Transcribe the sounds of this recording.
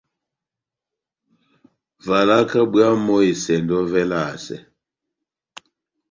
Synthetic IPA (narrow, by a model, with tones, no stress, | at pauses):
va˨la˦ka˦bwa˦mɔ˦i˨sɛ˨ndɔ˦vɛ˦la˦˨sɛ̰˨